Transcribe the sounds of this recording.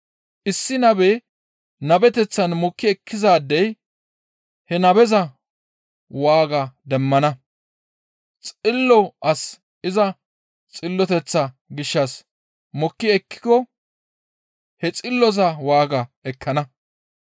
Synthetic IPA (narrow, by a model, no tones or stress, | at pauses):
ʔɪsːɪnɐbɛ | nɐbɛt̪ɛt͡sːɐnmɔkːɪɛkʰːɪzaːd̪ːɛj | hɛnɐbɛzɐ | waːɡɐd̪ɛmːɐnɐ | t͡sʼɪlːɔʔɐs | ɪzɐ | t͡sʼɪlːɔt̪ɛt͡sːɐ | ɡɪʃːɐs | mɔkːɪɛkːɪ̥kɔ | hɛt͡sʼɪlːɔzɐwaːɡɐɛkʰːɐnɐ